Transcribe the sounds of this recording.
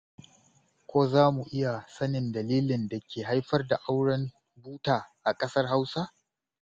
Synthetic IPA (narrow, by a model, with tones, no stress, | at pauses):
kʷoː˦zaː˦mu˨ʔɪ˦ja˨sɐ˦nɪ˨ndɐ˨liː˦lɪ˨nda˨kʲeː˨ɦa˦jɸɐ˦rda˨ʔa˦wɽɐ˦m | buː˦taː˨ʔa˨kʼɐ˦sɐ˦rɦa˦wsa˦